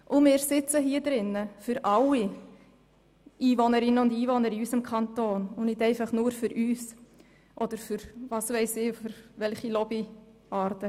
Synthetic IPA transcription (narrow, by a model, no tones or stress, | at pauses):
ʔʊmɪːɾsɪt͡səɦiːədɾɪnːəfʏɾʔɑlːi | ʔiːvɔnəɾɪnəʊndiːvɔnəɾiysəmkʰɑntoːnʊnnɪtɛɪfɑχnʊːɾfʏɾʔyːs | ʔɔd̥əɾfʏɾvɑːsʋɛɪsɪːfʏɾvɛlχilɔbi | ʔɑːɾtə